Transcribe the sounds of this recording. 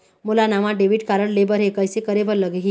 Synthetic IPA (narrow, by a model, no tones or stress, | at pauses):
mulanaʋãɖeʋiʈkaɾəɽlebəɾɦekəjsekəɾebəɾləɡɦi